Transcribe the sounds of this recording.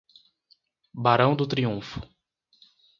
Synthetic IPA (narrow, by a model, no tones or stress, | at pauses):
baɾɐ̃w̃d̪ʊt̪ɾiũfʊ̥